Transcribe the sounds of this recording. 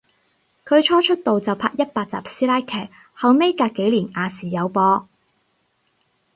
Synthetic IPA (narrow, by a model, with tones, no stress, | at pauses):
kʰɵ˨˧ɥt͡ʃʰɔː˥t͡ʃʰɵ˥t̚t̪o˨wt͡sɐ˨wpʰaː˧k̚jɐ˥t̚paː˧t̚t͡sa̰ː˨˩p̚siː˥laː˥jkʰɛː˨˩k̚ | hɐ˨wme˥jkaː˧kːe˨˥jliː˨˩naː˨˧siː˨˩jɐ˨˧wpɔː˧